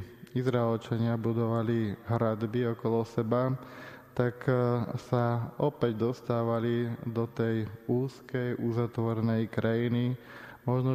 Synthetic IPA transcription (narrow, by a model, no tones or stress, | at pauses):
izɾaɛlt͡ʃaɲɪabud̪ɔʋaliɦɾad̪biɔkɔlɔsɛba | t̪aksaɔpɛɟd̪ɔst̪aːʋalid̪ɔt̪ɛjuːskɛjʔuzat̪ʋɔɾɛnɛjkɾajini | mɔʒnɔ